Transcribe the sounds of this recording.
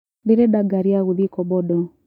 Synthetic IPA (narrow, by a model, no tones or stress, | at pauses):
biɾɛdaɡaɾiauðikɔbɔdɔ